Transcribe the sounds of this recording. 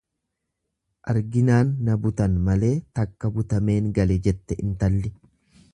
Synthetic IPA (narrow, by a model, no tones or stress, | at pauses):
ʔɐɾɡɪnaːnːɐbʊt̪ɐnmɐle̞ːt̪ɐkːɐbʊt̪ɐme̞ːŋɡɐlɛd͡ʒɛt̪ːɛʔɪnt̪ɐlːɪ